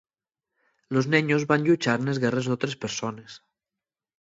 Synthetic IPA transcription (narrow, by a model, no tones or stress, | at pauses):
loznɛɲozβanʲʎut͡ʃaɾnezɣɛrezðot̪ɾespeɾsones